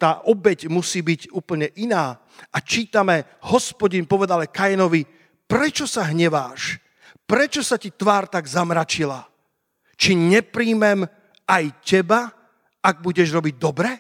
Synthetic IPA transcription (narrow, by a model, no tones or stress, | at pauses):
t̪aːʔɔbɛɟmusiːbiɟuːpl̩ɲɛʔinaː | ʔat͡ʃiːt̪amɛ | hɔspɔɟinpɔʋɛd̪alɛkajɛnɔʋi | pɾɛt͡ʃɔsaɦɲɛʋaːʃ | pɾɛt͡ʃɔsacit̪ʋaːɾt̪aɡzamɾat͡ʃila | t͡ʃiɲɛpɾiːmɛm | ajcɛba | aɡ̚buɟɛʒɾɔbiɟ̚d̪ɔbɾɛ